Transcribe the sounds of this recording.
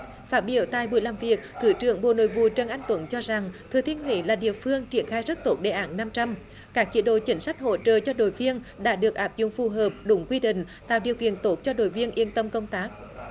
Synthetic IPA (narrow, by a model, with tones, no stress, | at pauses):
faː˦˥t̚ɓi˧˩˦əwt̪aː˨˩jɓu˨˩əjlaː˨˩mvi˨˩ək̚t̪ʰɨ˧˩t͡ɕɨ˧˩əŋɓo̰˧˨no̰˧˨jvṵ˧˨t͡ɕə˨˩nʔa˧jŋ̟t̪wə˨˦nt͡ɕɔ˧za˨˩ŋt̪ʰɨ˨˩t̪ʰi˧ənɦwḭ˧˦laː˨˩ɗḭ˧˨əfɨ˧əŋt͡ɕi˧˩ənxaː˧jzə˦˥t̚t̪o˦˥t̚ɗe˧˩ʔaː˧˦nna˧mt͡ɕa˧m | kaː˦˥k̚t͡ɕḭ˧˥ɗo̰˧˨t͡ɕï˨˦ŋ̟sa˦˥jk̟̚ho̰˧˨t͡ɕəː˨t͡ɕɔ˧ɗo̰˧˨jvi˧ən | ɗa̰ː˧˥ɗɨ˨˩ək̚ʔaː˦˥p̚zʊ̰˧˨ŋ͡mfu˨˩ɦəː˨˩p̚ɗʊ˨˦ŋ͡mkwi˧ɗḭ̈˧˨ŋ̟ | t̪a̰ː˧˨wɗi˨˩əwkḭ˧˨ənt̪o˦˥t̚t͡ɕɔ˧ɗo̰˧˨jvi˧ənʔi˧ənt̪ə˧mkə˧wŋ͡mt̪aː˦˥k̚